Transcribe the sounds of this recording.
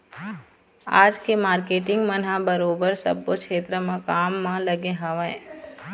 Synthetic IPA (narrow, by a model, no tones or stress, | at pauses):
a̰ːd͡ʒkemaːɾkeːʈɪ̃ŋɡmənɦabəɾoːbəɾsə̰bːokʃʰeːt̪ɾəmãkaːmːãləɡẽɦəʋẽː